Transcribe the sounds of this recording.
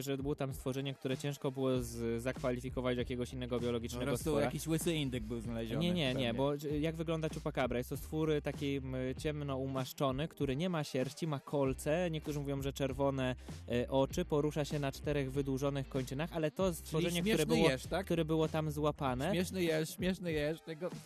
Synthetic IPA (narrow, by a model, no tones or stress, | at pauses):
ʐɛbɘwɔt̪amst̪fɔʐɛɲɛk̚t̪uɾɛt͡ɕɛ̃w̃ʂkɔbɘwɔzzakfalʲifʲikɔvat͡ɕjakʲɛɡɔɕinːɛɡɔbjɔlɔɡʲit͡ʂnɛɾɡɔst̪ɔjaakʲiɕwɘsɘind̪ɨɡ̚bɘwznalɛʑɔɲɛɲɛɲɛbɔjaɡvɘɡlɔnd̪at͡ɕupakabɾajɛst̪ɔst̪fuɾɘt̪akʲejt͡ɕɛmnɔumaʂt͡ʂɔnɘkt̪uɾɘɲɛmaɕɛɾt͡ɕimakʰɔlt̪sɛɲɛk̚t̪uʐɘmuvjɔ̃w̃ʐɛt͡ʂɛɾvɔnɛʔɔt͡ʂɘpɔɾuʂaɕɛnat͡ʂt̪ɛɾɛɣvɘd̪wuʐɔnɘxkɔɲt͡ʂɘnaxalɛt̪ɔst̪fɔʐɛɲɛktuɾɛnwɔɛʂt̪akt̪uɾɛbɘwɔt̪amzwapanɛmjɛʂnɘjɛɕmʲjɛʂnɘjɛʂt̪ɛɡɔ